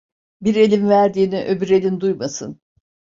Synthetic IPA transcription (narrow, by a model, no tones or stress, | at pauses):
biɾe̞lʲimvæɾd̪iːniʔø̞byɾe̞lʲind̪ujmasɯn